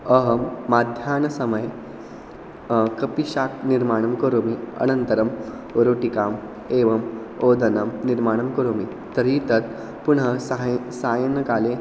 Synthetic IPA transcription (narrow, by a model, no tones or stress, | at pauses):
əɦəmːad̪ʱjaːnɐsəməj | kəpiɕak̚niɾmaɽ̃ɐmkəɾomiə̰nənt̪əɾəm | oɾoʈikaːm | eʋəm | od̪ʱənəmniɾmaɽ̃ɐmkɐɾomi | t̪əɾit̪ət̪ | puɳɦəɦsajənɐkale